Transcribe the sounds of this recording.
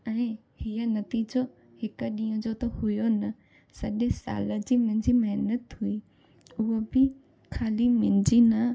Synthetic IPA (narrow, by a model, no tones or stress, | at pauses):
ɛ̃ː | hiənɐt̪iːd͡ʑo | hɪkəɗĩːə̃d͡ʑot̪ohʊjonɐ | sɐʄẽsa̰ːləd͡ʑiːmʊ̃ɦɪ̃d͡ʑiːmɐɦnət̪ɦʊiː | ʊɦobɪ | kʰaːlimɪ̃nɪ̃d͡ʑinɐ